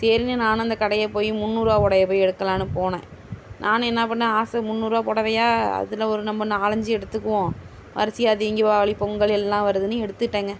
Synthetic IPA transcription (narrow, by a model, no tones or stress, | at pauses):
seːɾinɯnaːnʊ̃ɐnd̪ɐkɐɽɐjɐpoːjɯmʊnːuːɾaːpɔɽɐjɐpoːjɛɽɯkːɐlãːnɯpoːnḛ̃ːnʔaːñɛnːɐpɐɳːãːaːsɐmʊnːuːɾaːpɔɽɐʋɐjaːɐ̰ðɪlɐɔɾɯnɐmbɐnaːlɐɲd͡ʒɯɛɽɯt̪ːɯkːɯʋõ | ʋʔɐ̰ɾɐsɪjaːðɪŋɡɪʋaːɭipɔŋɡɐɭɛlːãːʋɐɾɯðɯnɯɛɽɯt̪ːɯʈːeːŋɡɐ